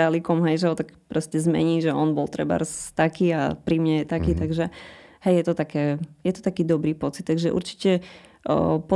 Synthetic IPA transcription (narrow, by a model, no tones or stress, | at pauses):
alikɔmɦɛjʒɛɦɔt̪aɡpɾɔscɛzmɛ̰ɲiːʒɛɔnbɔlt̪ɾɛ̰ba̰ɾst̪akiːa̰pɾimɲɛjɛt̪akiːt̪aɡʒɛhɛjjɛt̪ɔt̪akɛːjɛt̪ɔ̥t̪akiːd̪ɔbɾiːpɔt͡sit̪ːaɡʒɛʔṵɾt͡ʃi̥cɛ | pɔ